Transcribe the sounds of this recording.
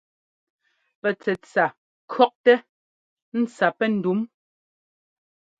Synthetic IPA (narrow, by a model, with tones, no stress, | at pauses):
pɛ˨t͡sɛ˨t͡sa˨ | kʰɰɔ˦k̚tɛ˦ | n̩˦t͡sa˨pɛ˦n̩˨du˨˦m